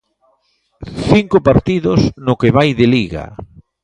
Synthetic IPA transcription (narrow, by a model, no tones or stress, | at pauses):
θiŋkopaɾt̪iðosnʊkeβajðeliɣa̰